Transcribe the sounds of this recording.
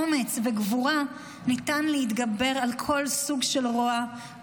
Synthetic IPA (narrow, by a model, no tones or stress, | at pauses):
omet͡sveɡvuʁa | nitanleit̪ɡabe̞ʁalkʰo̞lsuɡʃe̞lʁoa